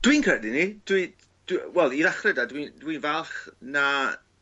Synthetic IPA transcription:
d̥wiːnkʰrədinid̥wi | d̥wɛlˠiðaχrɛdadwindwinvalˠχna

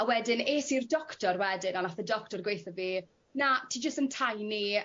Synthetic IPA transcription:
awɛdɪneːsirdɔktɔrwɛdɪnanaθədɔktɔrɡwejθɔviː | natʰiːd͡ʒəstəntʰajni

